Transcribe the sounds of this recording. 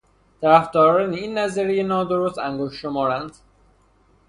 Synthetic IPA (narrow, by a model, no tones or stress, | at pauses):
t̪ʰæɾæfd̪ɒːɾɒːneiːnːæziɾejenɒːd̪oɾost̪æŋɡoʃːomɒːɾænd̪̥